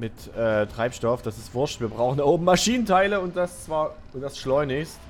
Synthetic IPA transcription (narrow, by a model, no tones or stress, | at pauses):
mɪt | ʔɛːtʁ̥aɪpʃtɔfd̥asɪstv̥ʊɐʃtviːɐbʁaʊxndaɐʔoːbm̩maʃiːnəntʰaɪləʊntd̥ast͡sv̥aːɐ | ʊntd̥asʃlɔʏnɪçst